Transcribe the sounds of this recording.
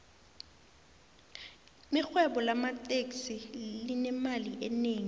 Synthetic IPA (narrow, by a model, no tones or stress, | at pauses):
mixwɛɓɔlamatʼeksilinɛmaliʔɛneːŋi